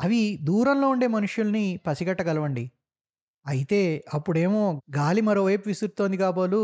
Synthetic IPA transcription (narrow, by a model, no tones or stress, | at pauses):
ɐʋid̪uːɾɐnlo̞ːuɳɖe̞ːmɐnuʂjulɐnipɐsiɡɐʈːɐɡɐlɐʋɐɳɖi | ɐjit̪e̞ːɐpːuɽe̞ːmoːɡaːlimɐɾo̞ːʋɐjpuʋisuɾt̪o̞ːnd̪ikaːbaːlu